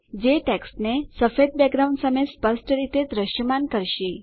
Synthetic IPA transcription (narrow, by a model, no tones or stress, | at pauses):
d͡ʑeʈɛksʈnesəfed̪̚bɛɡɾaw̃ɳɖsəmespəɾsʈəɾit̪ed̪ɾəɕjəmankəɾɕi